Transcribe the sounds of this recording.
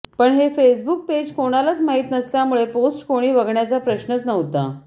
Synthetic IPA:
pəɳɦefes̬buk̚ped͡ʑkoɽ̃alat͡smaɦiːt̪nəsljamuɭeposʈkoɽ̃iːʋəɡɳjat͡sapɾəɕnət͡snəʋt̪a̰

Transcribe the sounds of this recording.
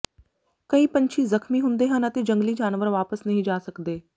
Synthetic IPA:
kɐiːpɐɲt͡ʃʰizɐxmiɦʊ̃nd̪eːɦənət̪ed͡ʒə̃ŋɡlid͡ʒaːnʋəɾʋaːpəsnɐɦĩd͡ʒaːsəkd̪eː

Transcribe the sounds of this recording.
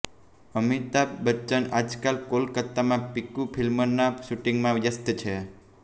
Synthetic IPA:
əmit̪abət͡ʃːənad͡ʒkalkolkət̪ːamãpikupʰilmənaʃuʈiŋɡmãʋjəst̪t͡ʃʰe

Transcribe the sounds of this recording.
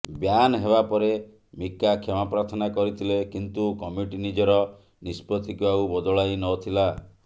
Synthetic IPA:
bjanɔɦebapɔɾe | mikːakʰemapɾaɾt̪ʰɔnakɔɾit̪ʰilekint̪ukɔmiʈinid͡ʒɔɾɔ | nispɾɔt̪ʰikibaubɔd̪ɔɭajnɔt̪ʰila

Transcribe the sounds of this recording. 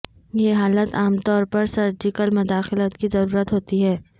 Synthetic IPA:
jeɦaːlət̪aːmt̪ɔːɾpɐɾsɐɾd͡ʒɪkəlmʊd̪aːxɪlət̪kizɐɾuːɾət̪ɦoːt̪iɦɛː

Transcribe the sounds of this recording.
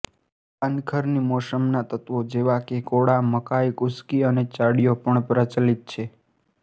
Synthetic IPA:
ənkʰəɾnimosəmnat̪ət̪ʋod͡ʒeʋakekoɽaməkaikʊskiənet͡ʃaɽijopəɳpɾət͡ʃlit̪̚t͡ʃʰe

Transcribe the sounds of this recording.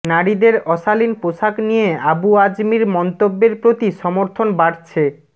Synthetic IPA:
naɽid̪eɾɔʃalinpoʃaknijeabuad͡ʑmiɾmɔnt̪obːeɾpɾot̪iʃɔmoɾt̪ʰonbaɽt͡ɕʰe

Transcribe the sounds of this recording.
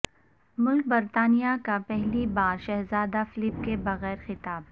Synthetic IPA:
mʊlk̚bɐɾt̪aːnijakapɛɦlibaːɾʃɛɦzaːd̪afɪlɪp̚kebɐɣɛːɾxɪt̪aːb̚

